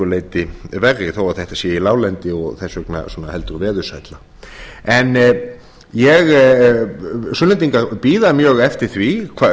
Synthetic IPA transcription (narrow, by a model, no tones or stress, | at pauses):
ʏleːjt̪ɪvɛrːɪθawaθɛht̪asjɛilaːwlɛnt̪ɪɔɣθɛsœkna̰sɔːnahɛl̪t̪ʏɾvɛːðʏsajt̪la | ɛn | jɛɣ | sʏnɛnt̪iŋkapiːðamjœːɣɛft̪ɪɾ̥θvikʰva